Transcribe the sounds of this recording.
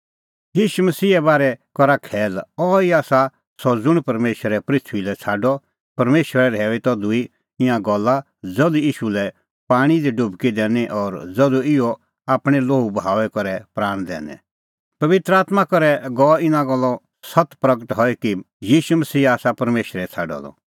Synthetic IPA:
jiːʃumɐsiːɛbaːɾɛkɔɾakʰɛːlɔiaːsa | sɔd͡zʊɽ̃pɐɾmeːʃəɾɛpɾɪt̪ʰʋilɛt͡sʰaːɖɔ | pɐɾmeːʃʋəɾɛɾɛːʋit̪ɔd̪ʊi | ɪ̃ãɡɔlːa | d͡zɐd̪ujiːʃulɛ | paːɽ̃id̪iɖʊbkid̪ɛːniʔɔɾd͡zɐd̪uɪjɔ | aːpɽ̃ɛloːubɦaːʋɛkɔɾɛpɾaːɽ̃d̪ɛ̰ːnɛ̰ | pɐʋɪt̪ɾəaːt̪makɔɾɛɡɔɪnãɡɔlːɔ | sɐt̪pɾɐɡəʈɦɔɛki | jiːʃumɐsiːaːsapɐɾmeːʃɾɛt͡sʰa̰ːɖɔ̰d̪ɔ̰

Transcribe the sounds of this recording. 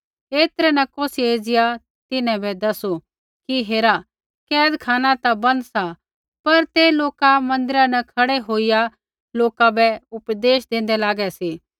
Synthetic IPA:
eːt̪ɾɛnɛkoːsieːd͡ʒɪja | t̪ɪnɛ̃bɛd̪ɐso | kiɦeːɾa | kɛːd̪kʰaːnãt̪abɐ̃nd̪sa | pɐɾt̪eloːkamɐ̃nd̪ɪɾanɛkʰɐɽeɦoːija | loːkabɛʊpd̪eːʃd̪ẽːn̆d̪ɛlaːɡɛseː

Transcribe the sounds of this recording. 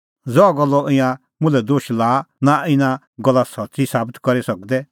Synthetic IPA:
d͡zɔaɡɔlːɔʔɪ̃jã | mʊ̃lɛd̪oːʃlaːnaɪnã | ɡɔlːasɐtːsisaːbət̪kɔɾisɐk̚d̪ɛ

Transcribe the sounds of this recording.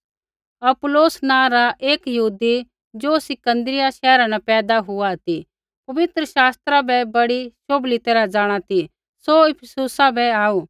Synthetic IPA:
ɐpʊloːsnãːɾaʔeːkjɐɦuːd̪i | d͡ʒoːsɪkə̃nd̪ɾɪjaʃɛːɾãnapɛːd̪aɦʊat̪i | pɐʋɪt̪ɾəʃaːst̪ɾabɛbɐɽiʃoːblit̪eːɾad͡ʒaːɽ̃at̪i | soɪpʰsʊsabɛaːuː

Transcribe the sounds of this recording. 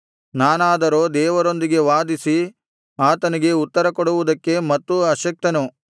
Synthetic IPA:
naːnaːd̪ɐɾoːd̪ɛːʋɐɾo̞nd̪iɡe̞ʋaːd̪isi | aːt̪ɐnɐɡe̞ut̪ːɐɾɐkɔɽuʋud̪ɐkːe̞mɐt̪ːuɐʃɐk̚t̪ɐnu

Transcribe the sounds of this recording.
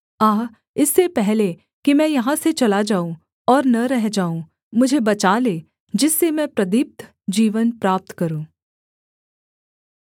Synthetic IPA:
aːɦ | ɪsːepɛɦle | kimɛ̃ːjɐɦãset͡ʃɐlad͡ʒaːũ | ɔːɾnɐɾɛɦd͡ʒaːũ | mʊd͡ʒʱebɐt͡ʃaːleː | d͡ʒɪsːemɛ̃pɾɐd̪ɪp̚t̪ʰ | d͡ʒiːʋənpɾaːp̚t̪kɐɾũː

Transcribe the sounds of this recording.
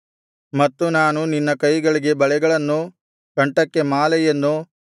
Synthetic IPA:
mɐt̪ːunaːnuninːɐkɐjɡɐɭiɡe̞bɐɭɛɡɐɭɐnːu | kɐɳʈɐkːe̞maːlɛjɐnːu

